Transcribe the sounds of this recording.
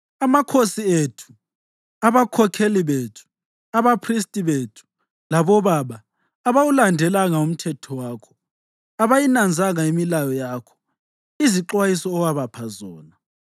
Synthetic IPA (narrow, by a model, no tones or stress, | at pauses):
amakʰosietʰu̥ | aβakʰɔkʰeliβetʰu̥ | aβapʰris̬tʼiβetʰu̥ | laβɔβaβaː | βawulandʱɛlaŋaum̩tʰɛtʰɔwaːkʰɔ̥ | aβajinand͡zʱaŋaimilajɔjaːkʰɔ̥ | iziǁwajisɔːwaβapʰazɔːna